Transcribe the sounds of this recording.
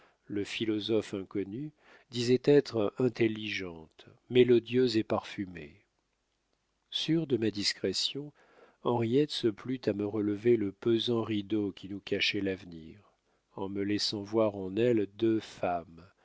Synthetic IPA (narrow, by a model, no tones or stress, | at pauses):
ləfilɔzɔfɛ̃kɔny | d̪izɛt̪ɛt̪χɛ̃t̪elːiʒɑ̃t̪ | melɔd̪jøzepaʁfymḛ | syʁd̪əmad̪iskχesjɔ̃ | ɑ̃ʁijɛt̪səplyt̪aməʁələveləpəzɑ̃ʁid̪okʲinukaʃɛlavniːʁ | ɑ̃məlɛsɑ̃vwaʁɑ̃nɛld̪øfam